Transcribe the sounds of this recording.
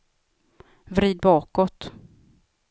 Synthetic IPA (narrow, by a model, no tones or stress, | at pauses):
vɾiːd̪̚bɑːkɔt̪